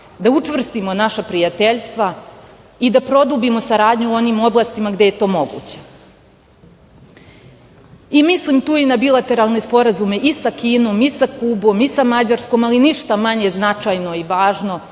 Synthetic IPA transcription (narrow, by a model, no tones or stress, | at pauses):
d̪aut͡ʂʋr̩st̪imo̞naʃapɾijat̪eʎst̪ʋa | id̪apɾo̞d̪ubimo̞saɾaːd̪ɲuo̞nimo̞blˠaːst̪imaɡd̪e̞je̞t̪o̞ːmo̞ɡṵːt͡ɕe̞̥ | imislimt̪uːinabilat̪e̞ɾalˠne̞spo̞ɾazume̞ʔisakiːno̞ːmisaklubo̞misamad͡ʑaɾsko̞maliniʃt̪amaɲe̞znat͡ʂajno̞iʋaːʒno̞